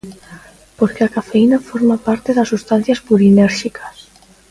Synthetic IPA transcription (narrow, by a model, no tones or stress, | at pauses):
poɾkeakafeinafoɾmapaɾt̪eðasːust̪an̟θjaspuɾinɛɾʃikʰḁs